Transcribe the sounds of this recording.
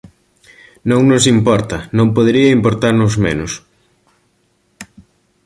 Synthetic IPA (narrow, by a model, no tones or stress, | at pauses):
nõŋnos̬impɔɾt̪ɐnõmpoðeɾiɐimpoɾt̪aɾnʊzmenʊs